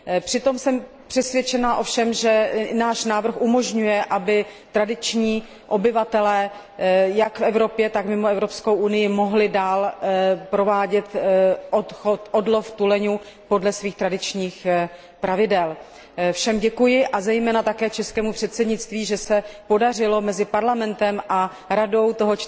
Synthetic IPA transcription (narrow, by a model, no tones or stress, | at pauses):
pr̥ɪt̪o̞msɛm | pr̥ɛsvjɛt͡ʃɛnaʔo̞fʃɛmʒɛnaːʃnaːvr̩xʔumo̞ʒɲujɛʔabɪt̪ɾadɪt͡ʃɲiː | ʔo̞bɪvat̪ɛlɛː | jakfɛvɾo̞pjɛt̪akmɪmoɛvɾo̞pskowʔunɪjɪmo̞ɦlɪdaːlpɾo̞vaːɟɛt̪ʔot̪xot̪ʔo̞dlo̞ft̪ulɛɲu | po̞dlɛsviːxt̪ɾadɪt͡ʃɲiːx | pɾavɪdɛl | fʃɛmɟɛkujɪʔazɛjmɛːnat̪akɛːt͡ʃɛskɛːmupr̝̥ɛt̪sɛdɲɪt͡st̪viːʒɛsɛpo̞dar̝ɪlo̞mɛzɪpaɾlamɛnt̪ɛmʔa | ɾado̞wt̪o̞ɦot͡ʃ